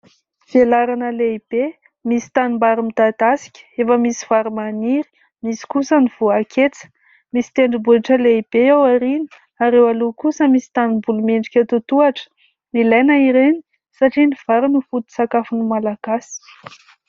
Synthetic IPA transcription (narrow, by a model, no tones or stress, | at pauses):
v̥elaɾanəleib̥e | misi̥t̪animbaɾimit̪at̪asi̥kʲə̥efəmisi̥v̥aɾimaniɾi̥ | misi̥kusəniv̥uakʰet͡sə̥ | misi̥t̪eɳɖ͡ʐibulaʈ͡ʂəleib̥eawaɾini̥ | aɾewalukusəmisi̥t̪anibulumeɳɖ͡ʐikʲət̪ut̪uaʈ͡ʂə̥ | nilajnaiɾeni̥ | saʈ͡ʂiniv̥aɾinufut̪i̥sakafunimalaɡ̥asi̥